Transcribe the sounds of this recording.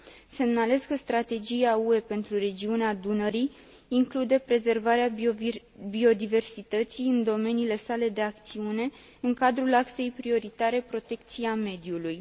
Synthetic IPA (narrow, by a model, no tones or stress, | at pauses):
se̞mnale̞skəst̪ɾat̪e̞d͡ʒiaue̞pe̞nt̪ɾure̞d͡ʒiunead̪unəɾiː | ŋklud̪e̞pɾe̞ze̞rvaɾea | bio̞d̪ive̞rsit̪ət̪siɨnd̪o̞me̞niːle̞sale̞d̪e̞ak̚t̪siune̞ | ɨŋkad̪ɾulakse̞jpɾio̞ɾit̪aɾe̞pɾo̞t̪e̞kt̪siame̞d̪iuluj